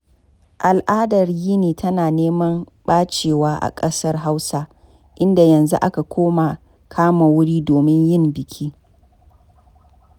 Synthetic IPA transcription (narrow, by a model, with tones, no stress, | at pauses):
ʔa˨lʔaː˦dɐ˨rjiː˦niː˨tʰɐ˦naː˨neː˦mɐ˦m | ɓaː˦t͡ʃeː˨waː˦ʔa̰˨kʼɐ˦sɐ˦rɦa˦wsa˦ | ʔɪ˦nda˨jɐ˨nzṵ˦ʔa̰˦ka˨kʷoː˦ma˨ | kʰaː˦ma˨wʊ˦ɽiː˦doː˨mɪ˦ɲjɪ˦˨mbɪ˨kʲʰiː˦